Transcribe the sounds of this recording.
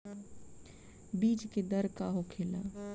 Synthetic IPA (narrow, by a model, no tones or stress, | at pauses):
biːd͡ʒked̪əɾkaːɦokʰeːlaː